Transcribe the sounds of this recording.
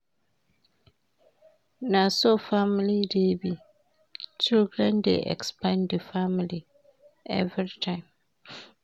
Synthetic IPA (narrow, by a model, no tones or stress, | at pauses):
nãsɔfamlidebi | t͡ʃʰilɡɾɛ̃ndɛ̰ʔɛ̰kspʰãndəfamili | ɛ̰vɾitʰãɪ̃m